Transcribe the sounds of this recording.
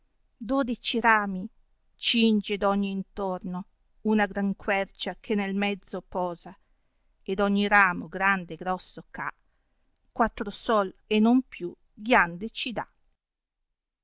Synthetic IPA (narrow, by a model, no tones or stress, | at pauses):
d̪oːd̪it͡ʃiɾaːmi | t͡ʃind͡ʒed̪ɔɲːiːnt̪orno | unaɡɾaŋkwɛrt͡ʃakʰenelmɛd̪zːopɔːza | ed̪ɔɲːiɾaːmoɡɾand̪eɡɾɔsːoka̰ | kwat̪ːɾosɔlenompju | ɡjand̪et͡ʃid̪a̰